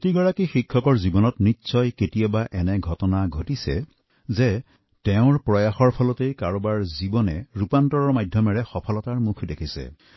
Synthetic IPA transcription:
tiɡɔɹakixikʰːɔkɔɹzibɔnɔtnit͡ʃːsɔjketijabaʔɛnɛɡʱɔtɔnaɡʱotisɛ̰ | zɛ | tɛʊ̃ɹpɹɔjaxɔɹpʰɔlɔtejkaɹɔbaɹzibɔnɛɹupantɔɹɔɹmajdʱjɔmɛɹɛxɔpʰɔlɔtaɹmukʰdekʰisɛ̰

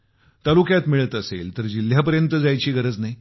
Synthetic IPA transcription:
t̪alukjat̪miɭət̪əsḛlt̪əɾd͡ʑil̤ːjapəɾjənt̪əd͡zajt͡ɕiːɡəɾəd͡znaɦi

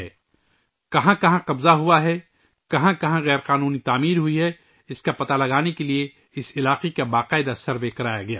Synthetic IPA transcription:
ɛ̰ː | kɐɦãkɐɦãqɐbzaɦʊaɦɛ | kɐɦãkɐɦãɣɛːɾqaːnuːnit̪aːmiːɾɦʊiɦɛ | ɪskapɐt̪alɐɡaːnekelie | ɪsɪlaːqekabaːqaːɪd̪asɐɾʋekɐɾaːjaɡɐja̰ː

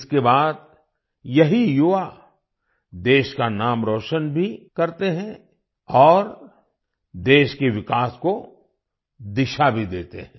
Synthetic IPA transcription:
ɪskebaːd̪̚ | jɐɦijʊʋa | d̪eːʃkanaːmɾoːʃənbʱikɐɾt̪eɦɛ̃ | ɔːɾ | d̪eːʃkeʋɪkaːsko | d̪ɪʃabʱid̪eːt̪ḛɦɛ̃ː

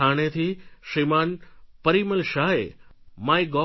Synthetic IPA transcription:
aːɽ̃et̪ʰiʃɾimaːnpəɾiməlʃaːemaːiɡɔ

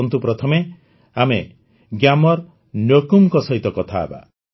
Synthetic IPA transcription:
nt̪upɾɔt̪ʰɔme | ame | ɡjamɔɾ | njokumkɔsɔɦit̪ɔkɔt̪ʰa̰ːba̰

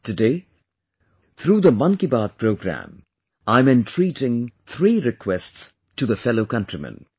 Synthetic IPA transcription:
tɨdeɪ | t̪ʰɾuːðəmʌ̃nkibaːd̪̚pʰɹoʊɡɾæ̰̃m | ãɪ̃mɪ̃ntʰɹ̥iːɾɪ̃ŋt̪ʰɹiːɾɪkʰwɛsts | tuðəfɛloʊkʌ̃ntɹ̥imə̰̃n

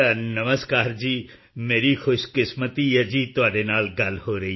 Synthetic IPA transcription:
nɐməskaːɾd͡ʒiː | meːɾixʊʃkɪsmət̪ijɛd͡ʒiːt̪ʊaːɖenaːlɡɐlhoɾɐɦi

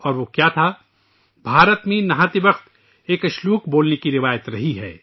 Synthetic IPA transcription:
ɔːɾʋoːkjat̪ʰa | bʱaːɾət̪mẽnɐɦãːt̪ebɐxt̪ | eːkɐʃluːqboːlnekiɾɪʋaːjət̪ɾɐɦiɦɛː

